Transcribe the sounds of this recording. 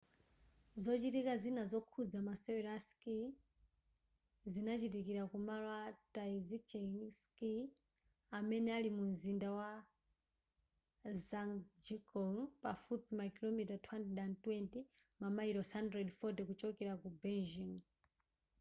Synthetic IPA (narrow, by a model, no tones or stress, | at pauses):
zɔt͡ʃitikazinazɔkʰud͡zamasɛwɛɾaski | zinat͡ʃitikiɾakumalwataizit͡ʃɛŋski | amɛnɛalimumzindawa | zaŋd͡ʒikɔŋpafutmakilɔmitatʰwɛntɗantwɛntimamaiɾɔsandɾɛdfɔtɛkut͡ʃɔkɛɾakubɛnd͡ʒim